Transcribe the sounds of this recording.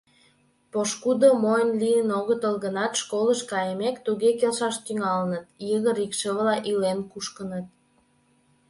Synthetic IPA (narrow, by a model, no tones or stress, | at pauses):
poʃkud̪omojnliənoɣət̪əlɣənɑt̪ʃkoləʃkɑjəmekt̪uɣekelʃɑʃt̪yŋɑlənət̪jəɣəɾikʃəβlɑʔilenkuʃkənət̪̚